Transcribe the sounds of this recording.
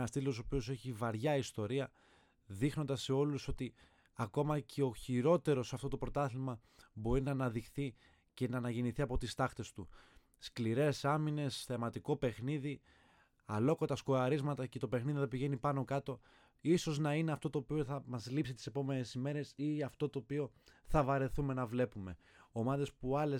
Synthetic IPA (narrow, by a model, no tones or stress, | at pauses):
ɐst̪iloosopio̞se̞çivɐɾʝɐist̪o̞ɾiɐ | ðixno̞nd̪ɐse̞o̞luso̞t̪i | ɐko̞mɐcʰeo̞çiɾo̞t̪e̞ɾo̞sɐft̪o̞t̪opɾo̞t̪ɐθimɐ | bo̞ɾinɐːnɐðixθi | ce̞nɐːnɐʝeniθiɐpo̞t̪ist̪ɐxt̪e̞st̪u | skliɾe̞sɐmine̞sθe̞mɐt̪iko̞pe̞xniði | ɐlo̞kot̪ɐsko̞ɐɾizmɐt̪ɐcet̪opexniðiθɐp̬iʝe̞nipɐno̞kɐt̪o̞ | iso̞znɐine̞ɐft̪o̞t̪o̞ːpio̞θɐmɐzlipsit̪i̥se̞po̞me̞ne̞sime̞ɾe̞siɐft̪o̞t̪o̞ːpio̞θɐvɐɾe̞θume̞nɐvle̞pume̞ | o̞mɐðe̞spuɐle